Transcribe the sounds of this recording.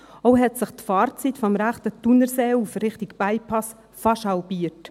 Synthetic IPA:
ɔɦɛtsɪχt̪faːɾt͡sit̪fɔmɾæχt̪ətunəɾseːufɾɪχt̪ɪkb̥aɪpʰɑs | fɑʃhɑlpiːt

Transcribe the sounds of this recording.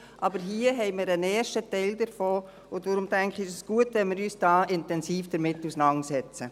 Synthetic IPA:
ʔɑbəɾɦiəɦɛɪmɪːɾəneːɾʃtətɛɪldəɾfoː | ʊtʋoɾʊmtɛŋkʰɪʃəsɡ̥uətʋɛnmɪɾyːsd̥ɑːʔɪntɛnsiːfd̥əɾmɪtːusnɑŋsɛt͡sə

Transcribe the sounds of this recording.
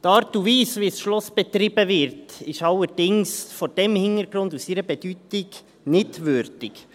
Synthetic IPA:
t̪ɑːɾtuviːsʋisʃlɔsb̥ɛt̪ɾɪb̥əʋɪɾtɪʃɑlːəd̥ɪŋsfɔɾd̥ɛmhɪnəɾɡɾʊndusiɾəbɛdytɪɡ | nɪtʋʏɾd̥ɪk

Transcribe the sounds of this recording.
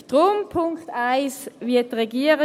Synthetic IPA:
tʁoːmpʰʊŋktaɪsviɐt̚ʁeɡiːəʁə

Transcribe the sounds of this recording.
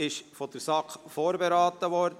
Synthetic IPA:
ɪʃfɔd̥əɾsɑkχfoːɾbeɾɑːt̪ːəʋɔːɾd

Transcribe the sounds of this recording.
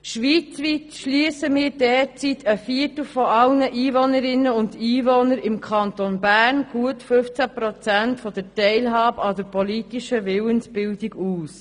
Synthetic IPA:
ʃʋit͡sʋiːtʃliəsəmɪːɾdɛːɾt͡sitʰəfiːəɾtl̩fɔʔɑlnəʔiːvɔnəɾɪnːəʊndiːvɔnəɾɪmkʰχɑnt̪onbæːrnɡ̥uətfʏft͡sæpɾɔt͡sæntfɔd̥ətɛɪlɦɑːbɑdəɾpolitiʃəʋɪwənsb̥ɪldiɡuːs

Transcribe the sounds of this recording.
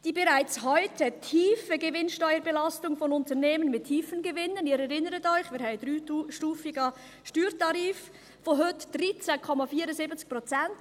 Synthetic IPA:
d̥iːbeɾaɪt͡shɔʏtʰətʰiːfəɡevɪnʃtɔʏəɾbɛlɑstʊŋfɔnʊntəneːmənmɪtʰiːfənɡevɪnəniːɾɛɾɪnəɾətɔʏχmiːɾɦɛɪəd̥ɾyːʃtuːfɪɡɑ | ʃtyːɾtɑɾiːf | foɦøtd̥rit͡sɛkʰɔmɑfiːɾəzibət͡sk̚pʁot͡sɛnt

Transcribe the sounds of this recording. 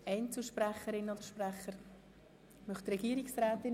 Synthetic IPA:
ɛɪnt͡suʃpræχəɾɪnod̥̪əɾʃpræχəɾ | mœχt̪rɛɡiəɾɪksɾɛːt̪ɪn

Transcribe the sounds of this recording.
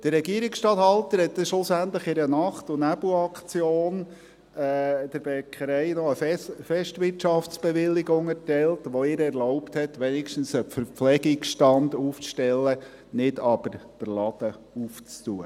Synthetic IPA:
d̥ərːɛɡiəɾiksʃtɑːt̪ɦɑlt̪əɾhɛt̪ːəʃlʊsæntləχɪɾənɑχtʊnæbuɑkt͡sjoːn | ɛd̥əɾbekʰəɾɛɪnɔəfɛʃtʋɪtt͡ʃɑft͡sb̥eʋɪlːɪɡʊŋɛɾtɛltʋoɪːɾɛɾlɔʊpthɛtʋɛnɪkʃtən̩səfəɾflɛɡɪksʃtɑnduːft͡sʃtɛlːə | nɪdɑb̥əɾd̥əɾlɑbə | uft͡stuə

